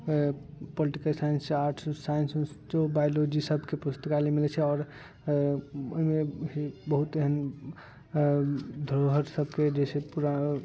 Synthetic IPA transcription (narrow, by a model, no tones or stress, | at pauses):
poliʈikəlsajənsaʈʰsajənsust͡ʃobajlod͡ʒisəbʱkepust̪əkalemilɛt͡ʃʰɛɔːɾ | o̰imeɦibəɦut̪eɦən | d̪ʱɾoɦəɾsəbʱked͡ʒesepuɾa